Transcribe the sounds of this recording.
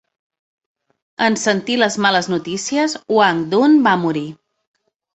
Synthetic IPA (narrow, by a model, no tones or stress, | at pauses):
ənsənt̪iləzmaləznut̪isiəzwaŋd̪unbamuɾi